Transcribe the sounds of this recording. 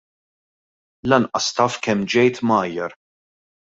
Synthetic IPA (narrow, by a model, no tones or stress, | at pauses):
lɐnʔɐst̪ɐːfkɛmːd͡ʒɛjt̪mɐːjːɐɾ